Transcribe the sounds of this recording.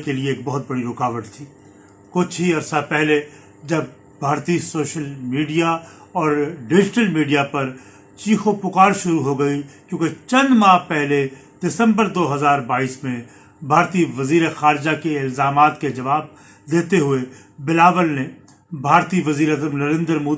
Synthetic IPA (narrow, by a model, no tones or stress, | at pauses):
kelieeːk̚bɐɦʊt̪̚bɐɽiɾʊkaːʋəʈt̪ʰiː | kʊt͡ʃʰɦiɐɾsapɛɦle | d͡ʒɐb̚ | bʱaːɾt̪isoːʃəlmiːɖijaɔːɾɖɪd͡ʒɪʈəlmiːɖijapɐɾ | t͡ʃiːxopʊkaːɾʃʊɾuɦoɡɐikjõːket͡ʃɐ̃nd̪mãːpɛɦle | ɖ̥ɪsə̃mbəɾd̪oːɦɐzaːɾbaːiːsmẽ | bʱaːɾt̪iʋɐziːɾexaːɾd͡ʒakeɪlzaːmaːt̪ked͡ʒɐʋaːb̚ | d̪eːt̪eɦʊe | bɪlaːʋəlne | bʱaːɾt̪iʋɐziːɾəzəmnɐɾẽːnd̪ɾmoː